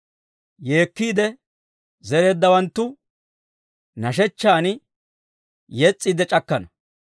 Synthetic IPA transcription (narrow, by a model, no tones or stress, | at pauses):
je̞ːkːiːd̪ɛ | zɛɾe̞ːd̪ːɐwɐnt̪ːʊ | nɐʃɛt͡ʃːaːnɪ | jɛt͡sʼːid̪ɛt͡ʃʼɐkːɐnɐ